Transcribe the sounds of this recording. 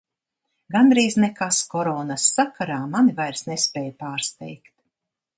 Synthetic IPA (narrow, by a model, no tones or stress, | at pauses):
ɡand̪ɾiːznekaskɔɾɔːnasːakaɾaːmanivajɾsnespɛːjpaːɾst̪ɛ̰jkt̪